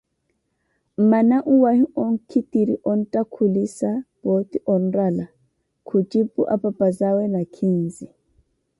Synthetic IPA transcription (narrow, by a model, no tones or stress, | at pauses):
manaʔuwahiɔŋ̩kʰitiɾiʔɔn̩takʰulisab̥ot̪iʔɔnɾala | kʰud͡ʒibṵʔa̰papazawɛnakʰinzi